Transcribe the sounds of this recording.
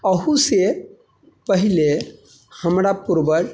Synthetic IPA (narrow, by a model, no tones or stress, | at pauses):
əɦuse | pəɦile | həmɾapuɾbəɾ